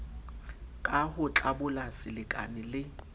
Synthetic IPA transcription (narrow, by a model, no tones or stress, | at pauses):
kʼahʊt͡ɬʼabʊlasɪlɪkʼa̰nɪlɪ